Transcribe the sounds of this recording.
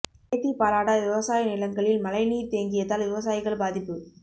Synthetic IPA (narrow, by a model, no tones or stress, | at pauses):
t̪ːipaːlaːɽɐʋɪʋɐsaːjɐnɪlɐŋɡɐɭɪlmɐlɐɪniːɾt̪eːŋɡɪjɐðaːlʋɪʋɐs̬aːjɪɣɐɭbaːðɪpːɯ